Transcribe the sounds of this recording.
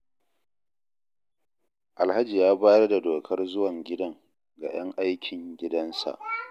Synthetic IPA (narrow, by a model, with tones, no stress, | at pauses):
ʔa˨lha˦d͡ʒi˨jaː˦baː˦jɐ˦rda˨doː˨kʰɐ˦rzʊ˦wɐ˨ŋɡʲɪ˦dɐ˦ŋ | ɡa̰˨j̰ɐ˦ŋʔa˦jkʲʰɪ˨ŋɡʲɪ˦dɐ˦nsa̰˨ʔ